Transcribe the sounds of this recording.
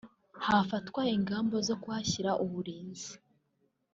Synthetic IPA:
hafatwaiŋɡaːmbo̞zo̞kuwaçiɾaʔuβuɾiːnzi̥

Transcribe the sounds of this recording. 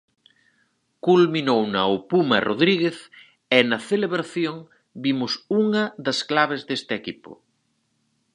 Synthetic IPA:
kulminownɐopumɐroðɾiɣ̞eθ | ɛnɐθeleβɾaθjoŋ | bimʊsuŋɐðɐsklaβezðest̪ɪeɛkipʊ̰

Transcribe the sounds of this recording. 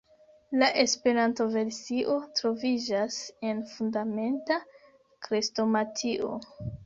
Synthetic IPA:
laʔe̞spe̞ɾanto̞ve̞ɾsiʔo̞tɾo̞vid͡ʒase̞nfundame̞nta | kɾisto̞matʰiʔo̞̰

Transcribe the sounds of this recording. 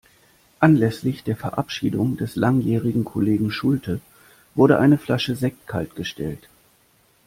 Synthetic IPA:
ʔanlɛslɪçd̥eːɐfɛɐʔapʃiːdʊŋdɛslaŋjɛːʁɪɡŋ̩kʰoleːɡŋ̩ʃʊltʰə | v̥ʊɐɾəʔaɪnəflaʃəzɛkkʰa̰ltɡ̥əʃtʰɛ̰lt

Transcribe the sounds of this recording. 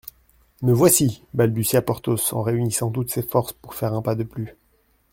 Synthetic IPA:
məvwasibalbysiapɔʁt̪osɑ̰̃ʁeynisɑ̃t̪ut̪sefɔʁspuʁfɛʁɛ̃pad̪əply

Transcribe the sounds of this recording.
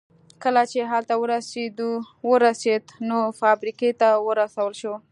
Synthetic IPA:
kəlat͡ʃeɦalt̪awəɾased̪u | wəɾased̪nofɑbɾiket̪awəɾasawəlʃo

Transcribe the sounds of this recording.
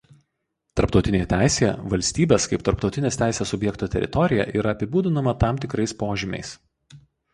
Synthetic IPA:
t̪ɐɾpt̪ɒʊt̪ʲɪnʲeːjɛt̪ʲæˑɪsʲeɛʋɐlʲsʲt̪ʲiːbʲeːskɐɪpt̪ɐɾpt̪ɒʊt̪ʲɪnʲeːst̪ʲæˑɪsʲeːsʊbʲjɛkt̪oːt̪ʲɛɾʲɪ̰t̪ɔɾʲɪjɛ̰ʔiːɾɐɐpʲɪbuːd̪ʲɪnɐmɐt̪ɑˑmt̪ʲɪkɾɐɪspoːʒʲɪmʲɛ̰ɪs

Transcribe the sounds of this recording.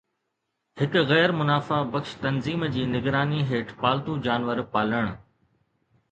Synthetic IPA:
hɪkɣɛːɾmʊnaːfabɐkʃt̪ɐnziːmd͡ʑiːnɪɡɾaːniɦeːʈʰpaːlt̪ũd͡ʑaːnʋəɾpaːləɽ̃

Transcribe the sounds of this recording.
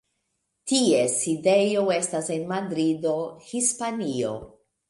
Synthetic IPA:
tie̞side̞joe̞stase̞nmadɾido̞hispanio̞̰

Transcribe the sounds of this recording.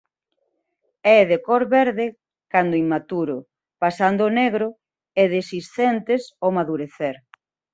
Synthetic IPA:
ɛðekɔɾβɛɾðɪ | kand̪ʊiŋmat̪uɾʊ | pasand̪oːneɣɾʊ | ɛðesist̪ɛnt̪esomaðuɾeθeɾ

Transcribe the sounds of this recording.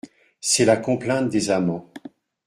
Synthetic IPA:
sɛlakɔ̃plɛ̃t̪̚d̪ezamɑ̃

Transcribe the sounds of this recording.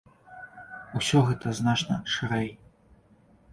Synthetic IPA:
usʲɔɣɛt̪ɐznat͡ʂnɐ̰ʂɨɾɛj

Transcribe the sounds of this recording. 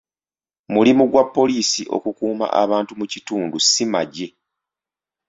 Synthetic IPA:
mulimuɡwapːo̞liːsiʔo̞̰kukuːma̰ʔaβaːntumucituːndusimaɟe̞

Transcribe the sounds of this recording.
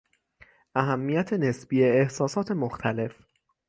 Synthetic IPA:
ʔæɦæmːijæt̪ʰe̞ne̞sb̥iːeːhsɒːsɒːt̪ʰe̞moxt̪ʰæle̞f

